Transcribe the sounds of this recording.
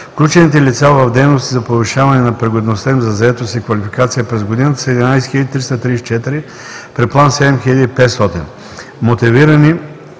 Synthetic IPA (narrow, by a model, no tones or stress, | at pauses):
fklʲut͡ʃɛnit̪ɛlit̪savɐvd̪ɛjnost̪izɐpoviʃavɐnɛnɐpɾɛɡod̪nost̪aimzɐzɐɛt̪osikvɐlifikat̪sijəpɾɛzɡod̪inət̪ə̥sɛd̪ɛnajsɛ̥xiləd̪it̪ɾist̪ɐt̪ɾist͡ʃɛt̪iɾi | pɾɛplˠansɛd̪ɛmxiʎəd̪iːpɛt̪st̪ɔt̪ḭn | mot̪iviɾɐni